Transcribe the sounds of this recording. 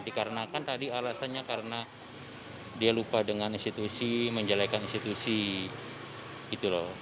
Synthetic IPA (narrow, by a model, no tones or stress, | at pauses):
dikaɾənakant̪adialasanɲakaɾəna | dialupadəŋaninst̪it̪usiməɲd͡ʒalajkaninst̪it̪usi | ɡit̪ulɔh